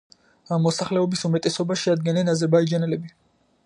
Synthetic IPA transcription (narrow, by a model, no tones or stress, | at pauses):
amːɔsaχlɛɔbisumɛt̪ʼɛsɔbaʃiad̪̚ɡɛnɛnazɛɾbaid͡ʒanɛlɛbi